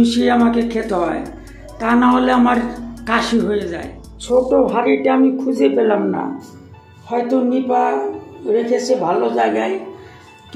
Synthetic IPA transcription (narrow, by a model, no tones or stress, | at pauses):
iʃiamakekʰet̪oɦɔe | t̪anaɦoleamaɾkaʃiɦojeza̰e | t͡ɕʰoʈobʱaɾiʈeamikʰud͡ʑʱepelamna̰ | hɔjt̪onipaɾekʰet͡ɕʰebʱalod͡ʑajɡaj | k